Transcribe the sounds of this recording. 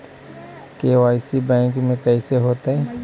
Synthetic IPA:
keːʋaːɪsibɛ̃ːŋkmẽkɛːseɦoːt̪aɦɛː

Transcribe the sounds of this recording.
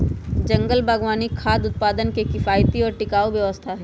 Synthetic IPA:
d͡ʒɐ̃ŋɡəlbʱəɡʋaːnikʰaːd̪ʊt̪̚paːd̪ənkekɪfaːjt̪iɔːɾʈɪkaːoʋjɐʋəst̪ʰaɦɛ

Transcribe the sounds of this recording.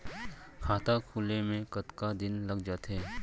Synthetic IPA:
kʰaːt̪akʰuːlemẽkɐt̪kad̪ɪnlɐɡd͡ʒaːt̪ɦɛː

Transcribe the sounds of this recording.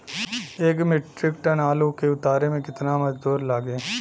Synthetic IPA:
eːkmɪʈɾɪkʈənaːlukeʊt̪aːɾemẽkɪt̪namɐd͡ʒd̪uːɾlaːɡẽː

